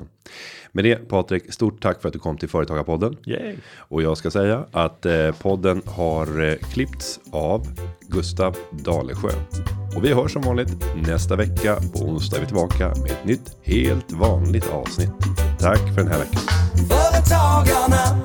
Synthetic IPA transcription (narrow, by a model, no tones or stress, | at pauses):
mɛd̪ɛpʰɑːt̪ɾɪkst̪uːʈʰːakːfœɾat̪̚d̪ɵkʰɔmːt̪ʰɪlfœːɾət̪ɑːɡaɾpʰɔd̪ːən | ʔɔjɑːɡskasɛjːaʔat̪pʰɔd̪ːənhaɾkʰlɪpt̪savɡɵst̪avd̪ɑːlə̰ɧø̰ːnɔvɪɦœːʂɔmvɑːnlɪt̪nɛst̪avɛkːapʰɔ̰ʊ̰nst̪avɪt̪ʰɪlbɑːka̰meɛt̪nʏt̪ː | heːlt̪vɑːnlɪɡt̪ʰɑ̰ːvsnɪt̪ʰːakːfœɖɛnæ̰ɾvɛkːaafœːɾət̪ʰɑɡana